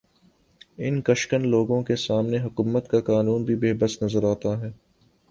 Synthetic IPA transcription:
ɪnkɐʃkənloːɡõkesaːmneɦʊkuːmət̪kakaːnuːnbʱibeːbəsnɐzəɾaːt̪aɦɛː

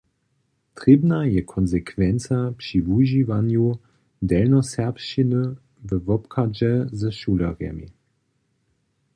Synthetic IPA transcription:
t̪ʁibnajɛkʰɔnzɛkʰvɛnt͡sapʃivuʒivanju | dɛlnɔsɛʁpʃinə | vəvɔpkʰad͡ʒɛzəʃuːlɛ̰ʁjɛ̰mḭ

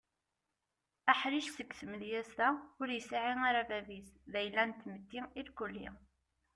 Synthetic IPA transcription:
æħɾiʃsəkːθəməðjæst̪æʊɾjəsaʕiŋaɾavævisðæjlːænt̪ːmət̪ːiilkulːḭ

